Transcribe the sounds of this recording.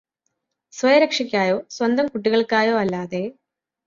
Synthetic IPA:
swɐjɐɾɐkʂɐkʲːaːjo̞ːswɐnd̪ʱɐmkuʈːiɣɐɭkaːjo̞ːɐlːaːðe̞

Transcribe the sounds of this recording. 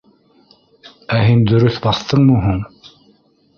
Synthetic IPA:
æɦɘnd̪ɵ̆ɾɵθbɑθt̪ɤɴmɤɦuɴ

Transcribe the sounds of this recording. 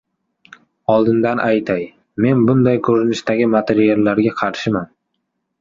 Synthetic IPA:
ɒlˠd̪ɪnd̪anʔajt̪ʰaj | me̞nbʊnd̪ajkʰɵɾɪnɪʃt̪aɡʲɪmat̪ʰeɾijalːaɾɡʲaqʰɑɾʃɪman

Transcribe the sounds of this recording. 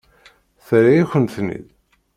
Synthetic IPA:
θɾajiçʷənθnḭð

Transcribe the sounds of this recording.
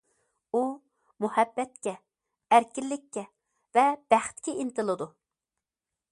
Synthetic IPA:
u | muhɛbːɛt̪̚kʲɛ | æɾkʲilːɪkʲːɛ | vɛb̥æχt̪kʲɛint̪ɨlˠɨd̪u

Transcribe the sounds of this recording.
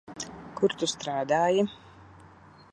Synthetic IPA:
kuɾt̪ust̪ɾaːd̪aːji

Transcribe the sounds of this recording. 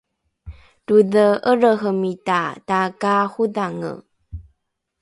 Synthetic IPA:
duðəʔəɾəɦəmitatakahuðaŋə̰

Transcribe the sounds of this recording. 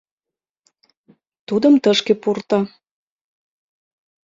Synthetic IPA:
t̪ud̪əmt̪əʃkepurt̪ɑ

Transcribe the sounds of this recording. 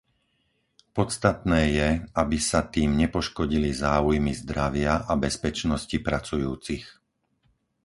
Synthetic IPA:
pɔt͡st̪at̪nɛːjɛabisat̪iːmɲɛpɔʃkɔɟilizaːujmizd̪ɾaʋɪaʔabɛspɛt͡ʃnɔscipɾat͡sujuːt͡six

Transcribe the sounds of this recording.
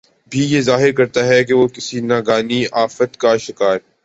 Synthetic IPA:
bʱijezaːɦɪɾkɐɾt̪aɦɛk̬eʋokɪsinaːɡaːniaːfət̪kaʃɪkaːɾ

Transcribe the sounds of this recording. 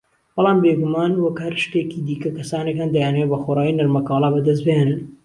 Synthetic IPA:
b̥ɑlɑːmbeːɡumaːnwɐkhɐɾʃt̪eːkiːd̪iːkɐkɐsaːnekand̪ɐjaːnɐwebɐxoːɾaːjinɐɾmɐkɑːlˠaːbɐd̪ɐs̬bhenɨn

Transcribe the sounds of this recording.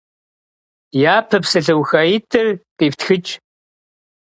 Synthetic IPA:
jaːpʰɐpsɨɮɐwxajitʰɨrqʼiːftxɨt͡ʃʼ

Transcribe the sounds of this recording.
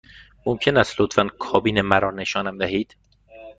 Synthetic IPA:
momcʰe̞næst̪lot̪fænkʰɒːbiːnemæɾɒːne̞ʃɒːnæmd̪æɦiːd̪̥

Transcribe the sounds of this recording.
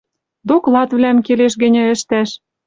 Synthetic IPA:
d̪oklɑt̪βlæmkeleʃ̬ɣɘ̆nʲɘ̆ɘ̆ʃt̪æʃ

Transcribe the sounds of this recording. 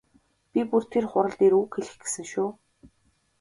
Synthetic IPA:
pʲipur̥t̪ʰerχʊɾə̆ɮt̪eːɾuːkxeɮɘ̆xɡe̥sɘ̆ŋʃuː

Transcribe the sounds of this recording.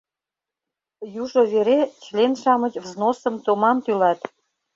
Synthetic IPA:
juʒoβeɾet͡ɕlenʃɑmə̆t͡ɕvznosə̆mt̪omɑmt̪ylɑt̪

